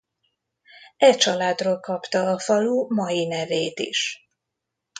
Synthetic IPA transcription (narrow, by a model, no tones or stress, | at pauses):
ɛt͡ʃɒlaːd̪roːlkɒpt̪ɒːfɒlumɒjinɛveːt̪ḭʃ